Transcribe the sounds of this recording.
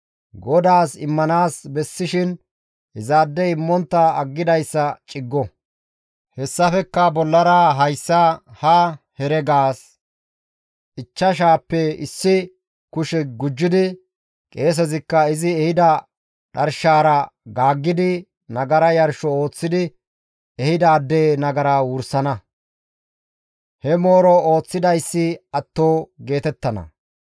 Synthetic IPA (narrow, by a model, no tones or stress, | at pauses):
ɡɔd̪aːsɪmːɐnaːsbɛsːɪʃɪn | hɪzaːd̪ːɛɪmːɔnt̪ːɐɐɡːɪd̪ɐjsːɐt͡ʃʼɪɡːɔ | hɛsːɐfɛkːɐbɔlːɐɾaɦɐjsːɐhɐ | hɛɾɛɡaːs | ʔɪt͡ʃːɐʃaːpːɛɪ̰sːɪ | kʊʃɛɡʊd͡ʒːɪd̪ɪ | kʼe̞ːs̬ɛzɪkːɐɪzɪɛhɪd̪ɐ | ᶑɐɾʃaːɾɐɡaːɡːɪd̪ɪ | nɐɡɐɾɐjɐɾʃɔo̞ːt͡sːɪd̪ɪ | ɛhɪd̪ɐːd̪ːeːnɐɡɐɾaːwʊɾsɐnɐ | hɛmo̞ːɾɔo̞ːt͡sːɪd̪ɐjsːɪɐt̪ːo̞ːɡe̞ːt̪ɛt̪ːɐnɐ̰